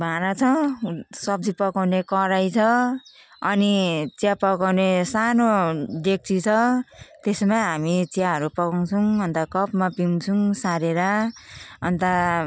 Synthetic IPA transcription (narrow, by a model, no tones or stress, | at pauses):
bʱaɾat͡sʰʌsʌb̚d͡zipʌkawnekʌɾajt͡sʰʌ | ʌnit͡sjapʌkawnesanoɖek̚t͡sit͡sʰʌt̪esmaɦamit͡siaɦʌɾupʌkaw̃t͡sʰuʌnt̪akʌpmapimt͡sʰuŋsaɾeɾa | ʌnt̪a